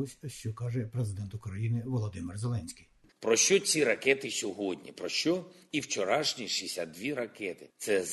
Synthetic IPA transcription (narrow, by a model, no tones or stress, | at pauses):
ʊsʲʃt͡ʃɔkɑʒɛpɾezɪd̪ɛnt̪ʊkɾɐjinɪʋɔlˠɔd̪ɪmɪrzelˠɛnʲsʲkʲij | pɾɔʃt͡ʃɔt͡sʲiɾɐkɛt̪ɪsʲɔɦɔdʲnʲḭpɾɔʃt͡ʃɔiwt͡ʃɔɾɑʃnʲiʃisʲɐd̪d̪ʲʋʲiɾɐkɛt̪ɪt̪sɛ